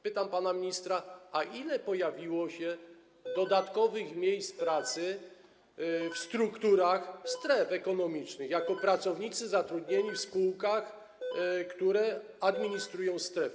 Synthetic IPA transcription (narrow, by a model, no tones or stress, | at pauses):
pɘt̪ampanamʲiɲist̪ɾaaʔilɛpɔjavʲiwɔɕɛ | d̪ɔd̪at̪kɔvɘxmʲjejspɾat̪sɘ | fst̪ɾukt̪uɾaxst̪ɾɛfɛkɔnɔmʲit͡ʂnɘɣjakɔpɾat̪sɔvɲit̪sɘzat̪ɾud̪ɲeɲifspuwkax | kt̪uɾɛ | ad̪mʲiɲist̪ɾujɔ̃w̃st̪ɾɛf